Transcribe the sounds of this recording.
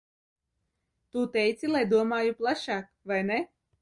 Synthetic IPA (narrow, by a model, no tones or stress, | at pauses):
t̪ut̪ɛjt̪silˠajd̪uɔmaːjuplˠaʃaːk | vajne